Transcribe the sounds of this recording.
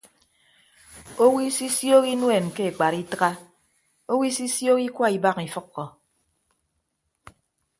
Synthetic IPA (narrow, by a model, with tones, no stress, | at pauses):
o˦wi˦si˦sjo˦ki˦nwe˨nke˦e˨k͡pa˨ɾi˦tɨ˦ɣa˦ | o˦wi˦si˦sjo˦ki˦kwa˦i˨ba˦ki˨fʌ˦kːɔ˨